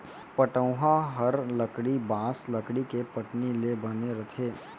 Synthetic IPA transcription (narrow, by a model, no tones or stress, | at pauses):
pɐʈə̃ʊɦaɦɐɾlɐkɽibãːslɐkɽikepɐʈnilebɐneɾɐt̪ʰeː